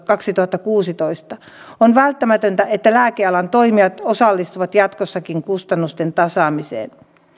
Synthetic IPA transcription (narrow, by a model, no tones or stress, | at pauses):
kɑksit̪uhɑt̪ːɑkuːsit̪oist̪ɑ | onʋælt̪ːæmæt̪ønt̪æet̪ːælæːkeɑlɑnt̪oimiɑt̪osɑlːist̪uʋɑt̪jɑt̪kosːɑkiŋkust̪ɑnːust̪ent̪ɑsɑːmisḛːn